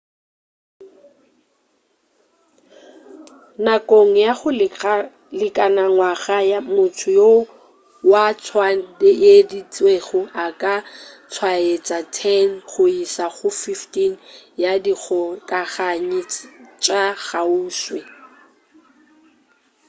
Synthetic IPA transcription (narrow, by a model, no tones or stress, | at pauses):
nakʼoŋ̩jaχʊ | lɪkʼanaŋwaɣajamʊtʰʊjo | wat͡sʰwadejedit͡sʼweɣʊʔakʼat͡sʰwaet͡sʼatʰɛnχʊisaχʊfiftinjadik͡xʰɔkʼaχaɲɪt͡ʃʼaɣauːswe